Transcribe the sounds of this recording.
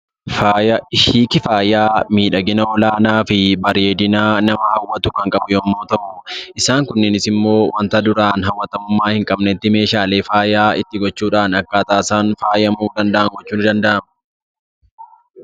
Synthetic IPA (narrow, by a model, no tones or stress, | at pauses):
faːjɐɪʃiːkɪfaːjaːmiːᶑɐɡɪnɐɔlaːnaːfɪbɐɾeːd̪ɪnaːnɐmɐhɐwːɐt̪ʊkɐŋkʼɐbʊjoːmːo̞ːt̪ɐʔʊʔɪsaːŋkʊnːɪnɪsɪmːo̞ːwʔɐnt̪ɐd̪ʊɾaːnɦɐwːɐt̪ɐmʊmːaːhɪŋkʼɐbnɛt̪ːɪme̞ːʃaːle̞ːfaːjaːɪt̪ːɪɡɔt͡ʃːuːᶑaːnɐkːaːt̪aːsaːnfaːjɐmuːd̪ɐnd̪ɐʔɐŋɡɔt͡ʃːuːnɪd̪ɐnd̪ɐʔɐmʊ